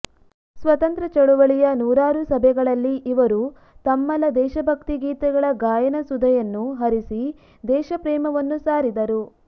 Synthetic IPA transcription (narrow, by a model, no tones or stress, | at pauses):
sʋɐt̪ɐnt̪ɾɐt͡ʃɐɽuʋɐɭijɐnuːɾaːɾusɐbʱɛɡɐɭɐlːiʔiʋɐɾu | t̪ɐmːɐlɐd̪ɛːʃɐbʱɐkt̪iɡiːt̪ɛɡɐɭɐɡaːjɐnɐsud̪ʱɐjɐnːuɦɐɾisi | d̪ɛːʃɐpɾɛːmɐʋɐnːusaːɾid̪ɐɾu